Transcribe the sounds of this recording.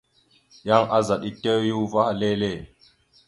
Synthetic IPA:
ja˦ŋʔa˦za˨ɗi˦te˦ju˦va˦ha˨le˦le˦˨

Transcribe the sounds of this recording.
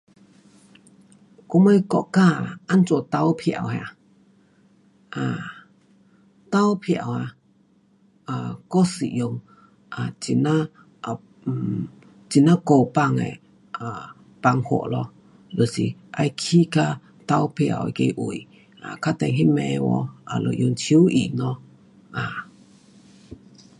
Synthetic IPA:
ko˧mə˧jkɔ̰˧˨ʔka˧˨a˨ʔa˦˨nt͡so˧˨t̪a˧wpʰi˧˨a̰˨wha̰˧˨ | ʔa˨ | t̪a˧˦wpʰi˧a̰˨wa˧ | a˨kɔ˦sḭ˨jo˧ŋ | ʔa˨t͡si˧˨na˦˥˨ | t͡si˧˨na˦ko˧˨pa˧˨ŋɛ̰˨ | a˨ | pa˧ŋho̰˧˨ʔlɔ˧ | lo˨si˨ʔa˧jkʰi˦ka˧ | t̪a˧wpʰi˧ʔa̰˨ke˧ʔu˨j | a̰˨kʰa˦t̪ɛ˧ŋɦi˦mɛ˧wɔ̰˧a˨lo̰˨ʔjo˧ŋt͡ʃʰu˦ʔi˨ʔnɔ˧ | ʔa˨

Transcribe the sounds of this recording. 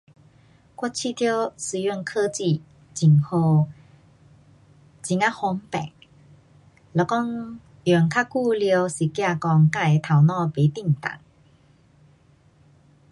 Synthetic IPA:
kwɔ˥t͡ɕʰi˥˧˨t̪ʰjo˦sɨ˧jɔ˥˧˨nkʰə˧t͡ɕi˧˨ | t͡ɕi˨˩ŋho˧ | t͡ɕi˨˩ŋa˦˧hɔ˧˦ŋpɛ̰˨˩ŋ | lɔ˨˧˩kɔ˥˧ŋ | jɔ˨˩ŋkʰa˦˥ku˥˧ljə˧si˨˩kja˥˧kɔ˧ŋka˥˧˩e˧t̪ʰa˨˩wnɔ̃˥˧pe˨˦t̪i˥˧˨ŋt̪a̰˨˩˦ŋ

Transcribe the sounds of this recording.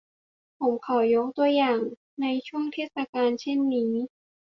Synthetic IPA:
pʰo˨˩˦mkʰa˨˩˦wjo˦˥k̚t̪u˧əjaː˨˩ŋ | na˧jt͡ɕʰu˥˩əŋt̪ʰeː˥˩t̪̚sa˧kaː˧nt͡ɕʰe˥˩nːiː˦˥

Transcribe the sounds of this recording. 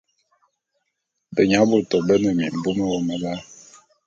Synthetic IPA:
bə˨ɲa˨˦bo˦˨tɔ˨bə˦nə˨mḭ˨m̩˨bu˦mə˦wɔ˦mə˨ba˦

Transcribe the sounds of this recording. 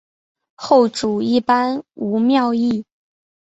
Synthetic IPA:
xo˥˩ʊʈ͡ʂu˨˩i˥˩pa˥nu˧˥mjɑ˥˧ʊi˥˩

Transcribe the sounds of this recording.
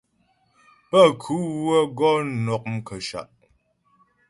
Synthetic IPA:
pə˦˨kʰu˨˦wə˦ɡɔ˦n˨˦nɔ˨k̚m̩˦kə˨ʃa̰˨ʔ

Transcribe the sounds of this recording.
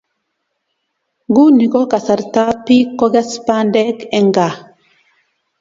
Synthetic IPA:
ɡu˦ni˨ko˦ka˨sa˨ɾta˦pi˦kːo˦ɡe˦spa˦ndɛ˦kɛ˨ŋɡa˨

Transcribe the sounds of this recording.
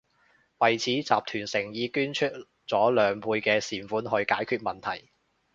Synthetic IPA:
wɐ˨jt͡sʰiː˨˥t͡sa̰ː˨p̚t̪ʰyː˨˩nsɪ˨˩ŋjiː˨˧kyː˥nt͡ʃʰɵ˥t̚ | t͡sɔː˨˥lœː˨˧ŋpʰuː˧jkɛː˧siː˨˩nfuː˨˥nɦɵ˧ɥkaː˨˥jkʰyː˧t̚mɐ˨nt̪ʰɐ˨˩j

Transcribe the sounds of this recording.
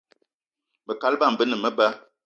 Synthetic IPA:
bə˨ka˦lba˦˨m̩˨bə˦nə˨mə˦bə˦

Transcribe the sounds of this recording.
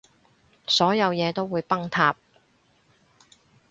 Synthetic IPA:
sɔː˨˥jɐ˨˧wjɛː˨˧t̪o˥wːuː˨˧jpɐ˥ŋt̪ʰaː˧˥p̚

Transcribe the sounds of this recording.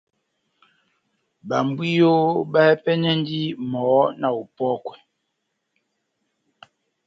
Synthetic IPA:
ba˨m˨bwi˦jo˦ba˦pɛ˦ɲɛ˦n˦di˦mɔː˨˦na˨u˨pɔ˦kwɛ˨

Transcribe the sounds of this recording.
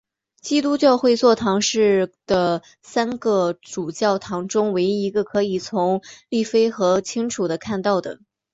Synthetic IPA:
t͡ɕi˥t̪u˥t͡ɕjɑ˥˧ʊxwe˥˧ɪt͡swɔ˥˩t̪ʰɑ˧˥ŋʂɻ̩˥˩d̪̥ə˩ | sa˥nɡə˧ʈ͡ʂu˨˩t͡ɕjɑ˥˩ʊt̪ʰɑ˧˥ŋʈ͡ʂʊ˥ŋwe˧˥ɪi˧˥ɡə˧kʰɤ˧˥i˨˩t͡sʰʊ˧˥ŋli˥˩fe˥ɪxɤ˧˥t͡ɕʰi˥ŋʈ͡ʂʰu˨˩d̪ə˦kʰa˥˧nt̪ɑ˥˩ʊd̪ə̰˩

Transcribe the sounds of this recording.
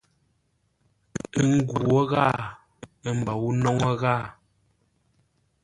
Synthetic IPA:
ŋ̩˦ɡu˨ɔ˦ɣaː˦˨˦ | m̩˨ba˨wu˦nɔ˦ŋɔ˦ɣa˦˨

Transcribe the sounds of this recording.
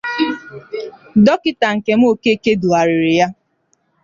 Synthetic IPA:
dɔ˦kɪ˦ta˨ŋ̩˨ke˨m̩˦o˨ke˦˨ke˦du˨a˨ɾɪ˨ɾɪ˨ja˦

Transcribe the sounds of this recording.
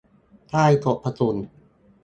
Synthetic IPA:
t̪ʰaː˥˩jt̪o˨˩ʔpʰːa˧su˨˩˦n

